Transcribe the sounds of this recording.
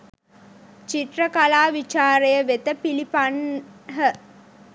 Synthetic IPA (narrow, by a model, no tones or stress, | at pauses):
t͡ʃiʈrəkalaːʋit͡ʃaːɾejəʋet̪əpilipanɦə